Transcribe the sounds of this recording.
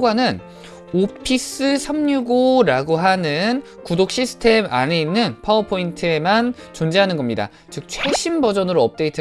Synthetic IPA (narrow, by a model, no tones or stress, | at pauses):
ɡɦanɯn | opʰis͈ɯsʰamɲuɡoɾaɡoɦanɯn | kudok̚ɕ͈isʰɯ̥tʰe̞ma̰neinːɯnpʰawʌpʰointʰɯemant͡ɕond͡ʑiɦanɯnɡʌmɲida̰ | t͡ɕɯk̚t͡ɕʰwe̞ɕʰimbʌd͡ʑʌnɯɾoʌp̚t͈e̞itʰɯ